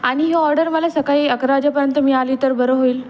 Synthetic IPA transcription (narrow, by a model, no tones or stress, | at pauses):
aɽ̃iɦeɔɾɖəɾməlasəkaiəkɾad͡ʑapəɾjənt̪əmiːalit̪əɾbʱəɾəɦoiːl